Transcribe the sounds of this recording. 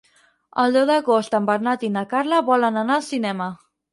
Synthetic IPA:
əlˠd̪ɛwðəɣost̪əmbəɾnat̪inəkarləβɔlənanalˠsinɛmə

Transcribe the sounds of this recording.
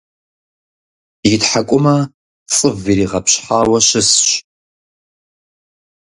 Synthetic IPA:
jɪtħakʷʼʊmɐ | t͡sʼɨviɾiːʁɐpɕħaːwɐɕɪsɕ

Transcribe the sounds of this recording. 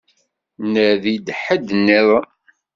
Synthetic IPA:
nəðid̪ħəd̪nːiðˤ

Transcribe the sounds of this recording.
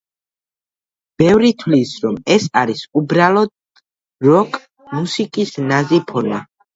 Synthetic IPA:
b̥ɛvɾit̪ʰwlisɾɔmɛsaɾisubɾalˠɔd̪̥̚ | ɾɔkʼʰ | musikʼisnazipʰɔɾma

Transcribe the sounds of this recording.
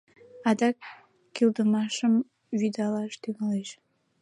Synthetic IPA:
ɑd̪ɑkː | ild̪əmɑʃəm | βyd̪ɑlɑʃt̪yɣɑleʃ

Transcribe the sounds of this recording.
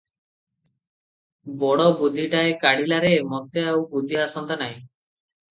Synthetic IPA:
bɔɽɔbud̪ʱːiʈaekaɽilaɾemɔt̪eawbud̪ʱːiasɔnt̪anaɦĩ

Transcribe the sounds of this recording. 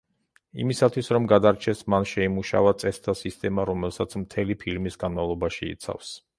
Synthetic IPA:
ḭmisat̪ʰwisɾɔmɡad̪aɾt͡ʃʰɛsmanʃɛimuʃa̰vat̪sʼɛst̪ʰasist̪ʼɛmaɾɔmɛlˠsat̪sʰmt̪ʰɛlipʰiɾmisɡanmavlˠɔbaʃiḭt̪sʰa̰fs

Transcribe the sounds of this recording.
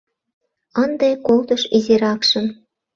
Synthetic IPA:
ənd̪ekolt̪əʃizeɾɑkʃə̆m

